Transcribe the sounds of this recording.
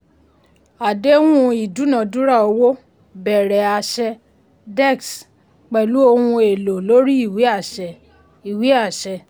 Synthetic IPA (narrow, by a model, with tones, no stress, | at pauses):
a˨de˦wũ˦i˨du˨˦nã˨dũ˦ɾa˦˨o˧wo˦ | bɛ˨ɾɛ˨a˨ʃɛ˧ | dɛ˦˨ks | k͡pɛ˨lu˨˦o˧hũ˧e˨lo˨lo˨˦ɾi˦i˦˨wi˨˦a˦˨ʃɛ˨ | i˨wi˨˦a˦˨ʃɛ˧